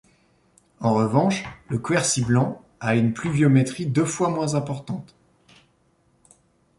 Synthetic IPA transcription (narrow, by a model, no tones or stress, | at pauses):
ɑ̃ʁəvɑ̃ʃləkwɛʁsiblɑ̃ | aynplyvjɔmɛt̪χid̪øfwamwɛ̃zɛ̃pɔʁt̪ɑ̃t̪